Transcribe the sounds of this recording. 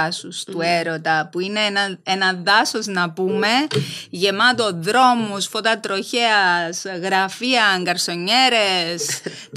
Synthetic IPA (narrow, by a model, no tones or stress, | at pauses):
sust̪ueɾot̪ɐpuine̞nɐenɐðɐso̞znɐpume̞ʝe̞mɐt̪oðɾo̞musfot̪ɐt̪ɾo̞çeɐsɣɾɐfiɐŋɡɐɾso̞ɲːe̞ɾe̞s